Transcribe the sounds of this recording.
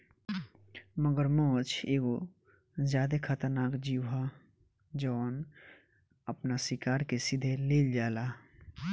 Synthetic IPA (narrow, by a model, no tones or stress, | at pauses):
məɡəɾmɔːt͡ʃʰeːɡo | zjaːd̪ekʰət̪əɾnaːkd͡ʒiwɦa | d͡ʒɔːn | əpnasikaːɾkesid̪ʱeleːld͡ʒaːla